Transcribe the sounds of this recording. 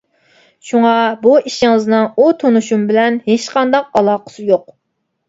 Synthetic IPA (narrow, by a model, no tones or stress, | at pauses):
ʃuŋɑbuiʃɪŋɨznɨŋut̪ʰonuʃumbɪlɛnhet͡ʃqʰɑnd̪ɑq̚ɑlˠɑːqʰə̥sɨjoq̚